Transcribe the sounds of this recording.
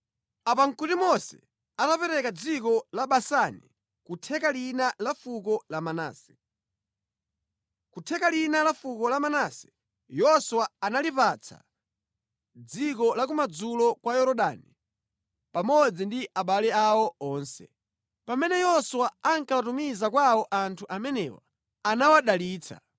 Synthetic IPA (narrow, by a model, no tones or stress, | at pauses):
apaŋkutimɔsɛ̰ | atapɛɾɛkad͡zik̬ɔlaɓasanḭ | kutʰɛkalinalafukɔlamana̰ːsɛ̥ | kutʰɛkalinalafukɔlamanasɛ̥ | jɔswaanalipat͡sʰa̰ | d͡zik̬ɔlak̬umad͡zulɔkwajɔɾɔɗani | pamɔd͡zindiaɓalɛawɔɔːnsɛ̰ | pamɛnɛjɔswaaŋkawatumizakwawɔʔantʰuʔamɛnɛwa̰ː | nawaɗaliːt͡sʰa̰